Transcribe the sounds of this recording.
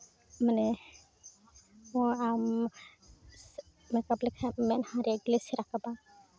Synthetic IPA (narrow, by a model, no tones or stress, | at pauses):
manɛ | mɔam | mɛkablɛkʰamɛnhaɾiɡlesiɾakaba